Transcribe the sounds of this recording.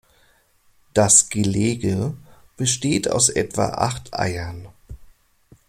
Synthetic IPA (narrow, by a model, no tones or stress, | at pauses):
d̥asɡ̥əleːɡəb̥əʃteːtʰa̰ʊsʔɛ̰tv̥a̰ʔa̰χtʰʔa̰ɪɐn